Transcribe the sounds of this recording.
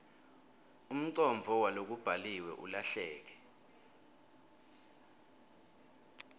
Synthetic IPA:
um̩ǀɔɱvʱɔwalok̬ub̥ʱaliwɛ̰ʔṵlaɬɛːk̬ɛ̥

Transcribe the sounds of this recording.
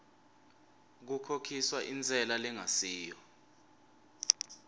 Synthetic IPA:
k̬ukʰokʰiswaʔint͡sɛlalɛŋasiːjɔ

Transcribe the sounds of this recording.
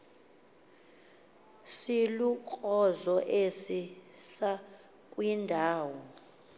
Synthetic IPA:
silukʼɔzɔʔesisa | kʼwindʱaːwɔ

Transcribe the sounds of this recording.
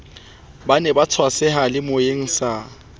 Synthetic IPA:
banɛbat͡sʰwasɛɦalɪmoeŋ̩sa

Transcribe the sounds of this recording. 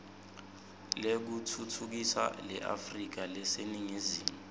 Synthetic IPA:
lek̬utʰutʰuk̬isa̰lɛ̰ʔa̰frik̬alɛseniŋiziːmu

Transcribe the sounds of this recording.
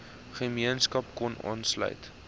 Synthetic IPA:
χəmiənskɐp̚kɔnɑ̰ːnslœ̰ɥt

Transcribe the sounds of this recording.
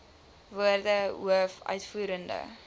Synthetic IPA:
vuərdəuəfœ̰ɥtfuːɾəndə̰

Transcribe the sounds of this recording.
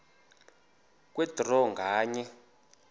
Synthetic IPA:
k̬wɛdʱrɔŋɡʱaːɲɛ

